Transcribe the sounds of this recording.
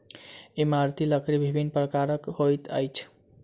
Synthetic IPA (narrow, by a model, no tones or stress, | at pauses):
imaɾt̪iləkʰɾibʱibʱinpɾəkaɾəkhojt̪ə̰jt͡ʃʰ